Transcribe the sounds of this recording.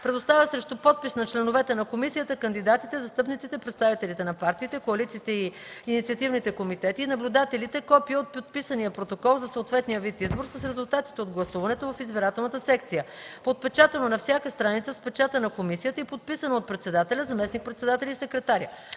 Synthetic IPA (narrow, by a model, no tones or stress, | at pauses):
pɾɛd̪ost̪avʲəsɾɛʃt̪ʊpɔt̪̚pisnɐt͡ʃlɛnovɛt̪ɛnɐkomisijət̪əkənd̪id̪at̪it̪ɛzɐst̪ɤpnit̪sit̪ɛipɾɛt̪st̪avit̪ɛlit̪ɛnɐpaɾt̪iːt̪ɛkoɐlit̪siːt̪ɛiː | nit̪siət̪ivnit̪ɛkomit̪ɛt̪iːnɐblʲud̪at̪ɛlit̪ɛkɔpiəot̪̚pot̪̚pisənijəpɾot̪okɔlˠzɐsoːt̪vɛt̪nijəvit̪izboɾsəsɾɛzʊlˠt̪at̪i̥t̪ɛod̪ɡlˠɐsuvɐnɛt̪ovɐfizbɛɾat̪ɛlˠnət̪əsɛk̚t̪sijə | pot̪̚pɛt͡ʃat̪ɛnonɐfsʲjakəst̪ɾanit̪səspɛt͡ʃat̪ənɐkomisijət̪əipot̪̚pisɐnoot̪̚pɾɛt̪sɛd̪at̪ɛlʲəzɐmɛsnik̚pɾɛt̪sɛd̪at̪ɛlʲisɛkɾɛt̪aɾʲə